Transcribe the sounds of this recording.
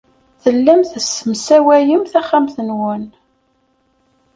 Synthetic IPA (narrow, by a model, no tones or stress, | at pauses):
θəlːæmθəsəmsæwæjəmθæχːæmθənwən